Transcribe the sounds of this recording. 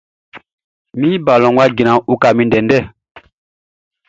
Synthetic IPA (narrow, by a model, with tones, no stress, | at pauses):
mĩ˦ba˨lɔ̃˨ŋɡwa˦ɡi˨nã˨u˦ka˨mĩ˦ndɛ˨ndɛ˦˨